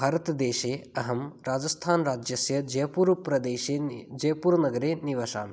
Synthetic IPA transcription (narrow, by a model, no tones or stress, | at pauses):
bʱaːɾɐt̪d̪eːʃeːɐɦɐmɾaːd͡ʒɐst̪ʰaːnɾaːd͡ʒjɐsjɐd͡ʒɐjɐpuːɾpɾɐd̪eːʃeːd͡ʒɐjɐpuːɾnɐɡɐɾeːniʋaːʃa̰ːn